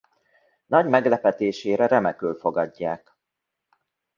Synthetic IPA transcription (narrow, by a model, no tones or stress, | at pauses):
nɒɟmɛɡlɛpɛt̪eːʃeːɾɛɾɛmɛkøːlfo̞ɡɒɟːaːk